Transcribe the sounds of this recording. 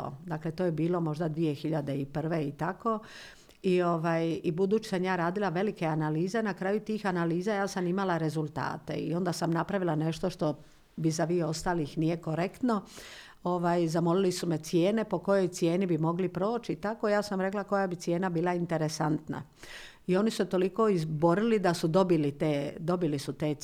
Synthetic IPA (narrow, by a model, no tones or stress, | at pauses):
o̰d̪akle̞t̪oːjebiːlo̞mo̞ʒd̪ad̪ʋie̞xiʎad̪e̞ipr̩ʋe̞it̪ako̞ | io̞ʋajibud̪uːt͡ɕi̥samjaːɾaːd̪ilaʋe̞like̞analiːze̞nakɾaːjut̪iːxanaliːzajaːsamimalaɾe̞zulˠt̪a̰ːt̪e̞̰ḭo̞nd̪asamnapɾaʋilˠane̞ʃt̪o̞ʃt̪o̞ | bizaʋijeo̞st̪aːlixnije̞ko̞ɾekt̪no̞ | o̞ʋaːjzamo̞lilisumet̪sje̞ːne̞po̞ko̞jo̞jt̪sje̞ːnibimo̞ɡlipɾo̞ːt͡ʃit̪ako̞jaːsamɾe̞klako̞jabit̪sje̞ːnabiːlˠaint̪e̞ɾe̞sant̪na̰ | io̞nisuset̪o̞liko̞izbo̞ɾilid̪asud̪o̞bilit̪eːd̪o̞bilisut̪e̞ː